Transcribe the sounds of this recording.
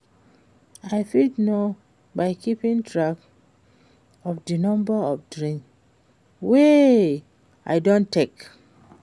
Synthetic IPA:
aɪfitno | baɪkipĩntɹak | ɔfdinɔ̃mbəɔfdɹĩŋk | we | a̰jdõntek

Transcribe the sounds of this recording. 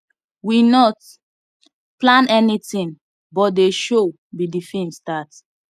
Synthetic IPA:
winɔt | plãnɛnitĩn | bɔt̚deʃo | bidifĩnstat

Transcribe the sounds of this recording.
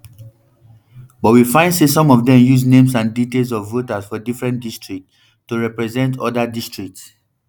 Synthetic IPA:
bɔtwifãɪ̃ndsesɔ̃mɔvdɛ̃mjuznẽms̬ãnditelˠs̬ɔvːotasfɔdifɹɛ̃ntdistɹik̚tː | uɹɛpɹɛzɛ̃ntɔdadistɹik̚ts

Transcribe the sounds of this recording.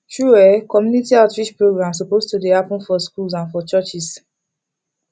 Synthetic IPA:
t͡ʃɹuɛkɔmjunitiaʊtɹiʃpɹoɡɹãmsopoztudeapə̃nfɔskulzãnfɔt͡ʃɜt͡ʃis

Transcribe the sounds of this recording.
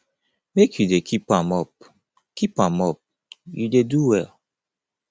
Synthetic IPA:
mekʰjudekʰipãmɔp̚ | kipãmɔp̚ | judeduwɛl

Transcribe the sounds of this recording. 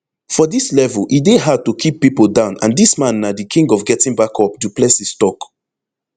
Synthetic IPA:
fɔdislɛvəlʔideɦad̚tukʰipːipəlˠdãʊ̃nã̰ndismãnːadikʰĩŋɡɔfɡɛtĩŋbakɔp̚duplesistɔk

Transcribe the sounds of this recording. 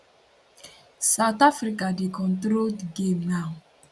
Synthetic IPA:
sawt̪afɾikadekɔ̃ntɾoldɡemnaŋ

